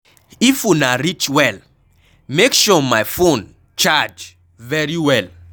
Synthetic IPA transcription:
ifunaɾit͡ʃwɛl | mekʃɔmajfon | t͡ʃad͡ʒ | vɛɹiwɛl

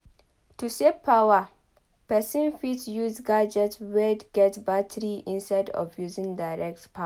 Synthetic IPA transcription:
tusevpʰːawa | pɛsĩnfitjuzɡad͡ʒɛtwedɡɛtbatʰəɹiʔɪ̃nsaɪdɔ̰vjuzɪ̃ŋdaɹɛk̚tpʰa

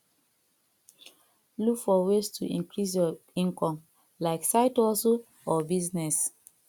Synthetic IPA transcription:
lukfɔwestʰuʔḭ̃ŋkɹis̬jɔĩŋkɔ̃m | laɪksaɪtɔso | ɔbiznɛs

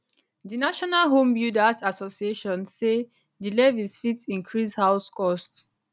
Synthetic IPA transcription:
dinaʃɔnalɦõmbjudasasɔsieʃɔ̃nse | dilevisfitĩŋkʰɹishaʊskɔst

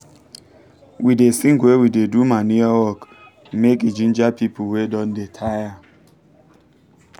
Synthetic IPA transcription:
widesĩŋɡwewidedumaniawɔk | mekid͡ʒĩnd͡ʒapipuwedɔ̃ndetʰaja

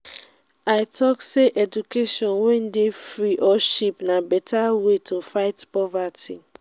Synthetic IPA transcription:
aɪtʰɔkseʔɛd͡ʒukeʃɔ̃nwɛ̃ndefɾiʔɔʃipnabɛtawetʰofaɪtpɔvatʰi

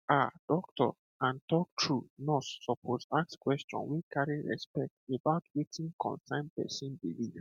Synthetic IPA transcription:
ad̥ɔk̚tʰɔ̰ | ãntɔk̚tʰɹunɔssɔpʰosakskwɛstʰɔ̰̃nwikʰaɹiɹɛ̰spɛk̚tebaʊtʰwetʰĩnkʰɔ̰̃nsãɪ̃npɛ̰sĩnbiwi

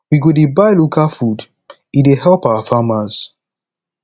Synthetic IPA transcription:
wiɡodebaɪlukafud | idehɛlpawafamas

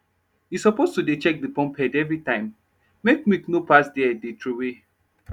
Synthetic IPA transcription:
hisɔpostudet͡ʃɛk̚dəpɔ̃mpʰɛdɛvɹitãɪ̃mː | ekmiknopasdɛdetʰɹowe

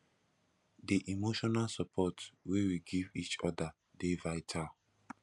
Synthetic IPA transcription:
diʔimoʃɔnalsɔpʰɔtwewiɡivit͡ʃɔda | devaɪtʰal

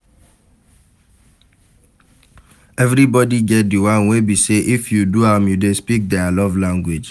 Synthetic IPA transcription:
ɛvɹibɔdiɡɛt̚diwãnwebiseʔifjuduãmjudespik̚dɛalɔvlãŋɡwid͡ʒ

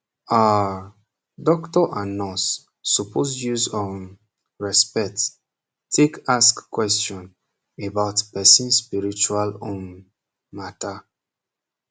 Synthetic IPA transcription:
a | dɔktɔʔanɔsː | upʰosjuzɔ̃n | ɹɛspɛt | tʰekaskkːwɛstjɔ̃n | ebaʊtpɛsĩnspiɹit͡ʃualɔ̃n | mata

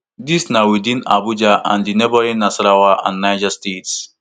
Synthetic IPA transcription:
disnawid̬ĩna̰bud͡ʒaʔã̰ndinɛbɔɾĩnasɾawaʔã̰nːajd͡ʒastets

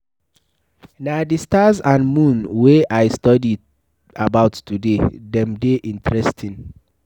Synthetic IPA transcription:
nadistazãnmũnweʔajstɔdi | abaʊtːudedɛ̃mdeʔĩntɹɛstʰĩn

